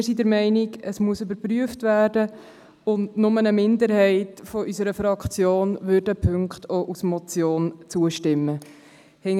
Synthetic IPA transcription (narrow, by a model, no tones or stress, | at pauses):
ɾsidəɾmɛɪnɪɡəsmuəsøbəɾpɾyəftvæːɾdə | ʊndnʊmənəmɪndəɾhɛɪtfɔʔysəɾəfɾɑkt͡sjoːnvøɾdəpʰɵŋkχtʰoʔusmɔt͡sjoːnt͡suəʃtɪmːə | hɛ